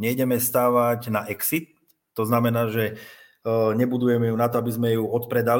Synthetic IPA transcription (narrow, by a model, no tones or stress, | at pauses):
ɲɛjɟɛmɛst̪aːʋaɟnaʔɛksit̪̚ː | ɔznamɛnaːʒɛ | ɲɛbud̪ujɛmɛjunat̪ɔabizmɛjuɔt̪pɾɛd̪al